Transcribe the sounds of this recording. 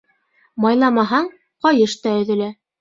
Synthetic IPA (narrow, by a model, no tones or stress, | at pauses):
mɑjlˠɑmɑɦɑɴ | qɑjɤʃt̪æɵ̆ðɘ̆læ